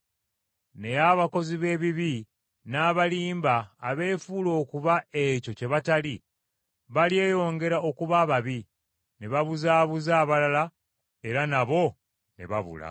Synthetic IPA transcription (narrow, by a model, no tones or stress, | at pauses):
ne̞jaβako̞ziβe̞ːβiβi | naːβaliːmbaːβe̞ːfuːlo̞ːkuβae̞co̞ce̞βatali | βalje̞ːjo̞ːŋɡe̞ɾao̞kuβaːβaβi | ne̞βaβuzaːβuzaːβalala | e̞ɾanaβo̞ | ne̞̰βa̰βṵla̰